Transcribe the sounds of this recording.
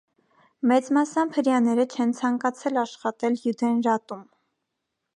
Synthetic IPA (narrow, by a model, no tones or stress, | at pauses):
mɛt͡smɑsɑmpʰəɾjɑnɛɾət͡ʃʰɛnt͡sʰɑŋkɑt͡sʰɛlɑʃχɑt̪ɛljud̪ɛnɾɑt̪um